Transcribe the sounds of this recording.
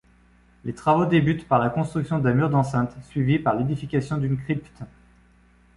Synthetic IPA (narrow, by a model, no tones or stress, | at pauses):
let̪χavod̪ebyt̪paʁlakɔ̃st̪χyksjɔ̃d̪ɛ̃myʁd̪ɑ̃sɛ̃t̪sɥivipaʁled̪ifikʲasjɔ̃d̪ynkχipt̪